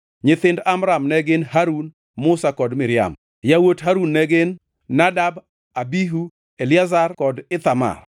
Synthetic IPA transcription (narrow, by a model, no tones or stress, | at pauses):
ɲɪt̪ɪndamɾamnɛɡɪnhaɾun | mʊsakɔdmɪɾɪja̰m | jawotɦaɾunːɛɡɪnː | adab | abiɦu | eljazarkɔdɪt̪ama̰r